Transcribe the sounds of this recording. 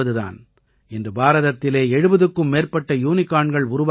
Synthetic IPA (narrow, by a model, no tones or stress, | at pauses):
ɐðɯða̰ːn | ɛndrɯbaːɾɐðɐt̪ːɪleːɛɻɯbɐðɯkːɯmːeːrpɐʈːɐjuːnɪkːaːɳɡɐɭʊɾʊʋa